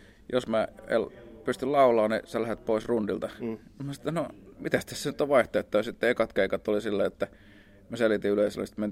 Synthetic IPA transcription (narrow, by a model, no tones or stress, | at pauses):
jo̰smæḛlpyst̪yllɑulˑɑːnḭselæhet̪̚poˑisrundilt̪ɑimæsɑt̪ːænomit̪æst̪æssenyt̪ːoʋɑiht̪ojet̪ːɑjɑsit̪ːeekɑt̪keikɑt̪ːolisilːæiet̪ːæ | møselit̪iyleˑiselːḭst̪men